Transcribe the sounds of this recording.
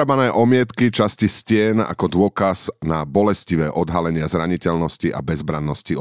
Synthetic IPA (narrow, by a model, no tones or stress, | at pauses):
abanɛːʔɔmɪɛt̪kit͡ʃasciscɪɛna̰kɔd̪ʊɔkaz̥nabɔlɛsciʋɛːʔɔd̪ɦalɛɲɪazɾaɲicɛʎnɔsciʔa̰bɛzbɾanːɔsci